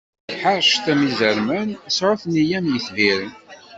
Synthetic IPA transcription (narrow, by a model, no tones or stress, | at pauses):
ħaɾˤʃt̪æmizəɾmænsɾˤoθnijæmjəθviɾən